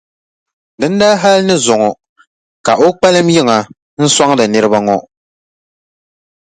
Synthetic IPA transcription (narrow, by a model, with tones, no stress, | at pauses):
dɨ˦ndaː˦ɦa˦lnɨ˦zʊ˨ŋɔ˨ | ka˨ʔo˦k͡pa˦lɨ˦mjɪ˦ŋa˨ | n̩˦sa˦ŋ˦dɨ˨nɨ˦ɾɨ˦ba˦ŋɔ˦